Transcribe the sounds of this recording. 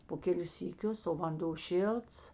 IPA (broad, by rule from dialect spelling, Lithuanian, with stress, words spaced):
poː ˈkʲæːlʲɪs sʲiːˈkʲʊs oː ʋɐnˈdoː ˈʃʲɪlˠts